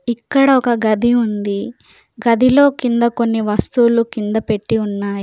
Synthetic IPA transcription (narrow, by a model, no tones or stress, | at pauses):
ikːɐɽɐɔkɐɡɐd̪ʱiund̪i | ɡɐd̪ʱilo̞ːkind̪ɐko̞nːiʋɐst̪uːlukind̪ɐpe̞ʈːiunːaːj